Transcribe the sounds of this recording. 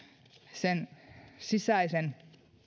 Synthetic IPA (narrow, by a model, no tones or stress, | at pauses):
sensisæisen